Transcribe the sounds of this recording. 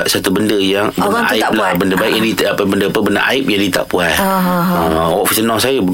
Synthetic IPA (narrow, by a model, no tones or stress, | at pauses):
ʔsat̪ubəndəjaŋbənaaɪlabəndəbaikjãdit̪apəbəndəpəbəndə̰ʔa̰ɪp̚jaŋdit̪a̰ʔpuaəwɔʔfisənɔ̃sajabə